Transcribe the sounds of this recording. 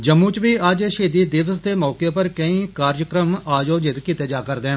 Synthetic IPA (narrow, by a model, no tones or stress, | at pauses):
d͡ʒəmːũːt͡ʃʋiːəd͡ʒʃeːd̪iːd̪ɪʋəsd̪eːmɔːkeːpəɾkəĩːkaːɾjəkɾəmaːd͡ʒoːd͡ʒɪt̪kiːt̪eːd͡ʒaːkəɾd̪ẽː